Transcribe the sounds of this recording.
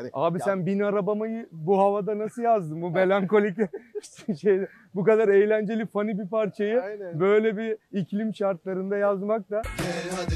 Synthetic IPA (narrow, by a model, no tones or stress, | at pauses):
aːbisænbinaɾabamajɯbuɦavad̪anasɯjazd̪ɯmbume̞lʲaŋko̞lʲic | ʃejd̪ɛ | bukad̪aɾejlʲænd͡ʒe̞lʲifanibipaɾt͡ʃʰajɯbø̞jlʲɛbiicʰlʲimʃaɾt̪lˠaɾɯnd̪ajazmak̚t̪a